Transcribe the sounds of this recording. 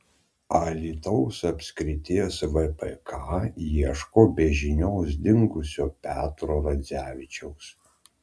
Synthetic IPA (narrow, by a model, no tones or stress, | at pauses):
ɐlʲiːt̪ɐʊsɐpʲsʲkɾʲɪt̪ʲɪɛsʋɛpɛkʰɑːjiɛʃkoːbʲɛʒʲɪnʲoːs̬d̪ʲɪŋɡʊsʲoːpʲæːt̪ɾoːɾɐzʲæːʋʲɪt͡ʃʲɛʊs